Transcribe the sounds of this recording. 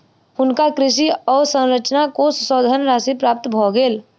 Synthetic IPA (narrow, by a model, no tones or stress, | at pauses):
ʊnkakɾɪʃ̬iɔːɾsə̃wɾət͡ʃnakossɔːd̪ʱənɾaːsipɾaːp̚t̪bʱɔːɡeːl